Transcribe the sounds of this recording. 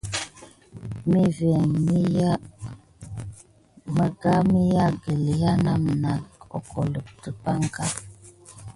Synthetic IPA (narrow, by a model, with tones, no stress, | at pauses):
mi˦vɛ˨ŋmi˦ja˦ | mə˦ɡa˦mi˦ja˦ɡə˨li˨ja˦na˦˨m˨na˨kɔ̰˨kʰɔ˨lə˨p̚tə˨pa˦ŋka˦